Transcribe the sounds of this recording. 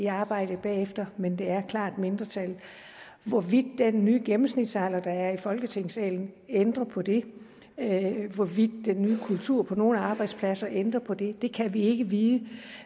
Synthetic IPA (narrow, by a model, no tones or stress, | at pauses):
iɑ̈ːb̥ɑ̈ɪ̰d̥əb̥ɛ̰ːefd̥ɐmend̥e̝æɐkʰlɑ̰̈ːd̥me̝nd̥ʁɐt͡sʰæl | ʋɒʋid̥̚ːenːyːɡ̥emm̩snid̥sɑ̈lɐd̥ɑ̈æɐifɒ̽lɡ̥ət͡sʰe̝ŋ̰sɛ̰ːln̩ | end̥ʁɐpʰɒ̽d̥e̝ | ʋɒʋid̥̚ːenːyːkʰult͡sʰuɐ̰pʰɒ̽no̝ːl̩ɑ̈ːb̥ɑ̈ɪd̥spʰlæsɐʔend̥ʁɐpʰɒ̽d̥e̝d̥e̝kʰæʋie̝ɡ̥əʋiːðˠə